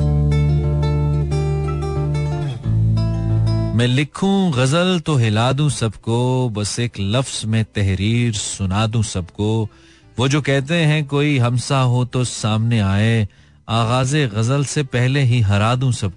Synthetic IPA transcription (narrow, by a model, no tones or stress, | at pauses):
mɛ̃ːlɪkʰũɣɐzəlt̪oɦɪlaːd̪ũsɐbkobɐseːklɐfz̥mẽt̪ɛɦɾiːɾsʊnaːd̪ũsɐbko | ʋoːd͡ʒoːkɛɦt̪eɦɛ̃koːiɦɐmsaɦot̪osaːmneaːe | aːɣaːzeɣɐzəlsepɛɦleɦiɦɐɾaːd̪ũsɐb̚ko